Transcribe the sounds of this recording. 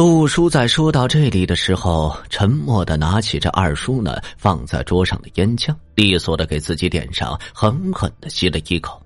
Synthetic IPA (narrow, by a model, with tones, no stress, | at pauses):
lu˥˩ʂu˥t͡sa˥˩ɪʂwɔ˥t̪ɑ˥˧ʊʈ͡ʂɤ˥˩li˨˩d̪ə˩˦ʂɻ̩˧˥xo˨˧ʊʈ͡ʂʰə˧˥nmwɔ˥˩d̪ə˩na˧˥t͡ɕʰi˨˩ʈ͡ʂə̰˥˧ʔɐ̰˥˩ʂu˥nə̰˨˩fɑ˥˧ŋt͡sa̰˥˩ɪʈ͡ʂwɔ˥ʂɑ̰˥˧ŋd̪ə˩jɛ˥nt͡ɕʰjɑ˥˩ŋli˥˧˩swɔ˥˩d̪ə˦ke˨˩ɪt͡sɹ̩˥˩t͡ɕi˧˥t̪jɛ̰˨˩nʂɑ̰˥˧˩ŋxə˧˥nxə̰˨˩nd̪ə˦ɕi˥lə˧i˥kʰo˨˩˦ʊ